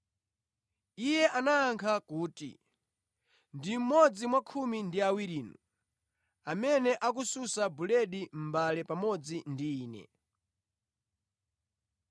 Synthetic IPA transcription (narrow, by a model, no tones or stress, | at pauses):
ijɛʔanaːŋkʰakuːtḭ | ndim̩mɔd͡zimwakʰumindiawiɾiːnu | amɛnɛʔak̬ususabulɛɗim̩balɛpamɔd͡zindiːnɛ̰